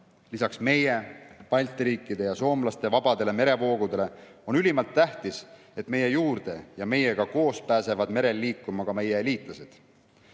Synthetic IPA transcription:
lisɑksme̞je̞pɑjlʲt̪iɾiːkːˑid̪e̞jɑso̞ːmlɑst̪e̞vɑb̥ɑd̪̥e̞le̞me̞ɾe̞vo̞ːɡ̥ud̪e̞le̞o̞nylimɑlt̪ːæht̪is | et̪ːˑme̞je̞juːrd̪̥e̞̰jɑme̞jeɡ̥ɑko̞ːspæːse̞vɑd̪me̞ɾe̞lːiːkːˑumɑkɑme̞jeeliːt̪ˑlɑse̞d̪̥

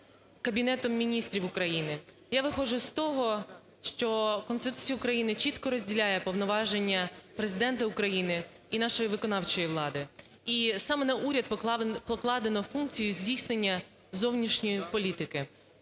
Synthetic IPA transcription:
kɐbʲinɛt̪ɔmːʲinʲist̪ɾʲiwʊkɾɐjinɪ | jaʋɪxɔʒʊst̪ɔɦɔ | ʃt͡ʃɔkɔnst̪ɪt̪u̥t͡sʲijɐukɾɐjinɪt͡ʃit̪kɔɾɔzʲdʲilʲajɛpɔwnɔʋɑʒenʲːɐpɾezɪd̪ɛnt̪ɐʊkɾɐjinɪ | inɑʃɔjiʋɪkɔnɑwt͡ʃɔjiʋlˠɑd̪ɪ | isɑmɛnɐʔuɾʲɐd̪pɔklˠɑd̪enɔfunk̚t͡sʲijʊzʲdʲijsnenʲːɐ | zɔwnʲiʃnʲijipɔlʲit̪ɪkɪ

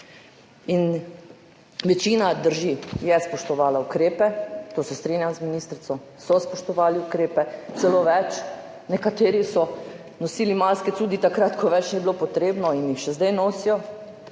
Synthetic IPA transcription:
in | ʋɛt͡ʃiːnad̪əɾʒijɛspɔʃt̪ɔʋaːlaukɾeːpɛt̪oːsɛst̪ɾeːnjamzminiːst̪ɾit̪ɔ | sɔspɔʃt̪ɔʋaːliukɾeːpɛt̪sɛloːʋɛt͡ʃ | nɛkat̪eːɾisɔ | nɔsiːlimaskɛt̪uːd̪it̪akɾat̪kʰɔʋɛt͡ʃnɛbiloːpɔt̪ɾeːbnɔinjixʃɛzd̪ɛjnoːsijɔ

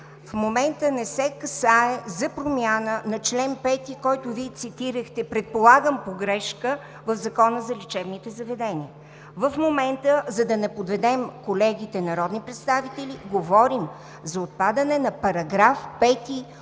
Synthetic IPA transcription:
fmomɛnt̪ənɛsɛkɐsaɛzɐpɾomjanənɐt͡ʃlɛnpɛt̪ikɔjt̪ʊviɛt̪sit̪iɾəxt̪ɛpɾɛt̪̚polˠaɡəmpoɡɾɛʃkə | vəfzɐkɔnəzɐlʲit͡ʃɛbnit̪ɛzɐvɛd̪ɛniə | vəfmomɛnt̪əzɐd̪ɐnɛpod̪vɛd̪ɛmkolɛɡʲit̪ɛnɐɾɔd̪nipɾɛt̪st̪avit̪ɛliɡovɔɾim | zɐot̪̚pad̪ɐnɛnɐpɐɾɐɡɾafpɛt̪i

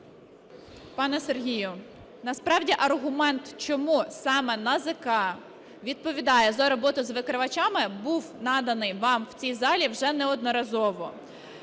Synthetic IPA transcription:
pɑnɛserɦʲijʊ | nɐspɾɑwdʲiʔɐrɦʊmɛnt̪t͡ʃɔmusɑmɛnɐzɪkɑ | ʋʲid̪̚pɔʋʲid̪ɑjɛzɐɾɔbɔt̪ʊzʋɪkɾɪʋɐt͡ʃɑmɪbuwnɑd̪ɐnɪjʋɑmw̥t͡sʲijzɑlʲiwʒɛnɛɔd̪nɔɾɐzɔʋɔ

